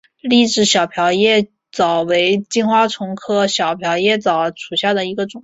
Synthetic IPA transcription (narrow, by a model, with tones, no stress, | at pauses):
li˥˩ʈ͡ʂɻ̩˥˩ɕjɑ˨˩ʊpʰjɑ˧˥ʊjɛ˥˩ | t͡sɑ˨˩ʊwe˧˥ɪt͡ɕi˥nxwa˥ʈ͡ʂʰʊ˧˥ŋkʰɤ˥ɕjɑ˨˩ʊpʰjɑ˧˥ʊjɛ˥˩t͡sɑ˨˩ʊʈ͡ʂʰu˨˩ɕja˥˩d̪ə˩i˧˥ɡə˧ʈ͡ʂʊ˨˩ŋ